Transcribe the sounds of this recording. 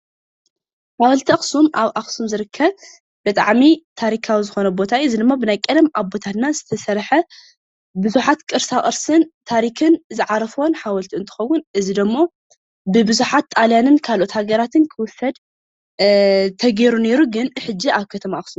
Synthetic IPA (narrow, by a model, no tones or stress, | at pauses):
ħawɔlt̪ʰiaxsumʔaβʔaxsumzɨɾɨkʰːɐβ | b̥ɨt̪ʼa̰ʕmit̪ʰaɾikʰawizɨxo̞nɐbo̞t̪ʰaɨzid̪ɨmːabɨnajkʼɨd̪mʔaβbo̞t̪ʰat̪nazɨt̪ʰɐsɐɾħɐ | bɨzuħat̪kʼɨɾsaʔʼɨɾsɨnt̪ʰaɾikʰɨnzɨʕaɾɐfwonħawɐlt̪ʰiɨnt̪ʰɨ̥xɐwʊnʔɨzid̪ɨmːo̞ | bɨbɨzuħat̪ːʼaljanɨnkʰalʔot̪haɡɐɾat̪ʰɨnkʰɨwʊsɐd̪̚ | t̪ʰɐɡeɾune̞ɾuɡɨnħɨd͡ʒːiaβkʰɐt̪ʰɐmaʔxsu